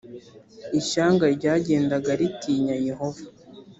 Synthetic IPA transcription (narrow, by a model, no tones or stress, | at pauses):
iʃaːŋɡaɾɟaːɟe̞ːndaɡaɾitiːɲaje̞ɦo̞vḁ